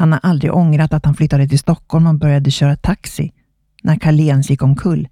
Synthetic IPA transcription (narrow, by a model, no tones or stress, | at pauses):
hanhaɾʔald̪ɾɪ̰ɡʔɔŋɾat̪at̪hanflʏt̪ːad̪ət̪ʰɪlst̪ɔkʰːɔlmɔbœɾjad̪əɕœːɾat̪ʰaksɪ̰ | nʔæɾkʰaleːnsjɪkːɔmkʰɵlː